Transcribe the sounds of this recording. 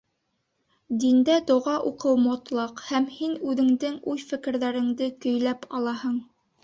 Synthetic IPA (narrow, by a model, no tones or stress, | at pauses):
d̪ind̪æd̪ŏʁɑʔuqɤwmot̪lˠɑqhæmhinʉðɘ̆ŋd̪ɘŋʉjfɘ̆kɘ̆ɾðæɾɘ̆ŋd̪ɘkɵ̆jlæpɑlˠɑhɤɴ